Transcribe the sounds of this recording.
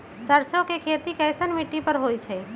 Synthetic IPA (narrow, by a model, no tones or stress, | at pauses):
səɾsjõkekʰeːt̪ikɛɪsənmiʈːipəɾɦoːit͡ʃʰɛ